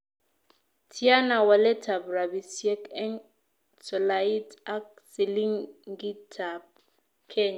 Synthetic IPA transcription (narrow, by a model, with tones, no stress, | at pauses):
tʰi˦a˦na˨wa˨lɛ˦tʰa˨bra˨bi˨sjɛ˦kɛ˦n | sɔ˨lai˦tʰa˦k̚ | si˨li˦ŋɡi˦tʰab | kʰɛ˦ɲa˨